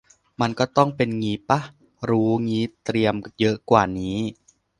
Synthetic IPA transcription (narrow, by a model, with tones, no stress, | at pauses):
ma˧nkɔː˥˩t̪ɔ˥˩ŋpe˧nŋiː˦˥pa˦˥ | ɾuː˦˥ŋiː˦˥t̪ɾi˧əmjɤ˦˥ʔkwaː˨˩niː˦˥